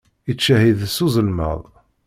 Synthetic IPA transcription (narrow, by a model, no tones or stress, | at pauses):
it͡ʃːæhiðsuzˤəlmə̰ðˤ